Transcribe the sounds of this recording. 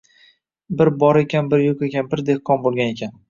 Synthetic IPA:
bɪɾbɒɾekʲanbɪɾjoqe̞kʲanbɪɾd̪ehqʰːɒnbolˠɡʲane̞kʲʰan

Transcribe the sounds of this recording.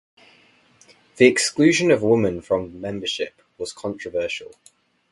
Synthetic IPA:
ðiɛksklʉːʒə̃nəvwɪmə̃nfɹə̃mːɛ̃mbəʃɪp | wɒz̥kʰɒ̃nt͡ʃɹ̥əvɜˑʃə̰lˠ

